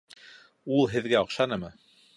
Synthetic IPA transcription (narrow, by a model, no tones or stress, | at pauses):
ulˠɦɘ̆ðɡæŏqʃɑnɤmɤ